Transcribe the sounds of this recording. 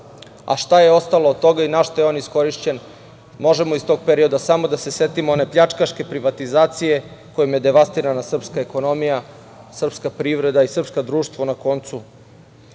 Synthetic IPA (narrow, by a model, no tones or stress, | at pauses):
a̰ʃt̪ajeo̞st̪alˠoːd̪̚t̪o̞ɡainaʃt̪ajeonisko̞ɾiʃt͡ɕe̞n | mo̞ʒemoist̪o̞ɡ̚peɾio̞d̪asamo̞d̪ase̞se̞t̪imoonepʎʲat͡ʂkaʃke̞pɾiʋat̪izaːt̪sije̞kojomje̞d̪e̞ʋast̪iɾanasr̩pskaeko̞no̞mija | sr̩pskapɾiʋɾe̞d̪aisr̩pskad̪ɾuːʃt̪ʋo̞nako̞nt̪su